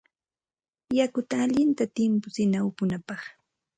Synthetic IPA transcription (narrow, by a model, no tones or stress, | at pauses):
jakʊt̪aːʎɪnt̪at̪ɪmpʊsɪnawpʊnapɑχ